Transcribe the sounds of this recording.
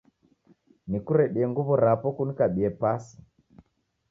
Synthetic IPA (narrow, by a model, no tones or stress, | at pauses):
nikuɾɛɗiɛŋɡuβɔɾapɔkunikaɓiɛpasi̥